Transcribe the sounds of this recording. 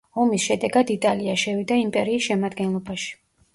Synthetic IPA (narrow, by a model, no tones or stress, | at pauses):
ɔmisʃɛd̪ɛɡad̪it̪ʼaliaʃɛvid̪aimpʼɛɾiːsʃɛmad̪ɡɛnlˠɔbaʃi̥